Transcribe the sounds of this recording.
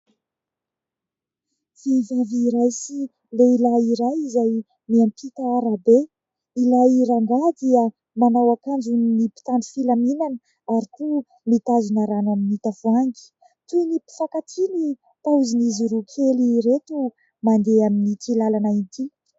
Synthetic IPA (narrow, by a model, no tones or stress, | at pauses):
fivaviːɾajsi | leilaiɾajizaj | miampʰit̪aaɾabe | ilaiɾaŋɡad̪iə | manawakand͡ʒunnipi̥t̪and̪i̥filaminanə | aɾikʰu | mit̪azunaɾanaminit̪afuaŋɡi̥ | t̪uinipi̥fakat̪ʰini | t̪auziniziɾukʰeliɾet̪u | mand̪eaminit̪ilalanaint̪ʰi